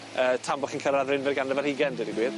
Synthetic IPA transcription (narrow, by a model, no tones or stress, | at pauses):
əːtʰambɔχinkʰəɾˠaðrɪnvɪrɡanəvɛrhiɡɛndɪdiɡwiːð